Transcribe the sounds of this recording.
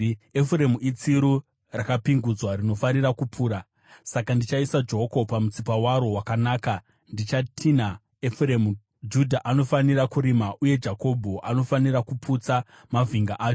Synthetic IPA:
efure̞muit͡siɾu | rakapiŋɡud͡zwaɾino̞fanirakupʰuːɾa | sakandit͡ʃaisad͡ʒo̞ko̞pamut͡sipawaɾo̞wakanaːka | ndit͡ʃatʰina | efremu | d͡ʒudʱaʔano̞faniɾakuɾimaʔuje̞d͡ʒako̞bʱo̞ʔano̞faniɾakupʰut͡sa | maviŋɡaʔaːt͡ʃo

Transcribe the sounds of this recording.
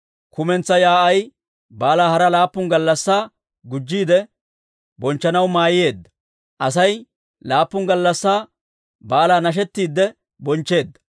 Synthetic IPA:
kʊmɛnt͡sːɐjaːɐj | baːlaːhɐɾɐlaːpːʊŋɡɐlːɐsːaː | ɡʊd͡ʒːiːd̪ɛ | bɔnt͡ʃːɐnɐwmaːjɪje̞ːd̪ːɐ̥ | ʔɐsɐj | laːpːʊŋɡɐlːɐsːaː | baːlaːnɐʃ̬ɛt̪ːiːd̪ːɛ | bɔnt͡ʃːe̞ːd̪ːɐ̥

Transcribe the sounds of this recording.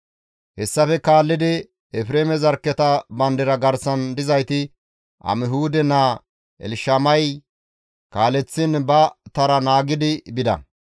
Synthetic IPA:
hɛsːɐfɛkaːlːɪd̪ɪ | ɛfɾeːmɛzɐɾkːɛt̪ɐbɐnd̪ɪɾɐɡɐɾsɐnd̪ɪzɐjt̪ɪ | ʔɐ̰mɪɦuːd̪ɛnaː | ʔɛ̰lɪʃɐmɐj | kaːlɛt͡sːɪnbɐt̪ɐɾɐnaːɡɪd̪ɪbɪd̪ɐ̰

